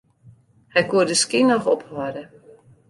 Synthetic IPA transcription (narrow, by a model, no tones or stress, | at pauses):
hɛjkuədəskinɔxɔphɔdə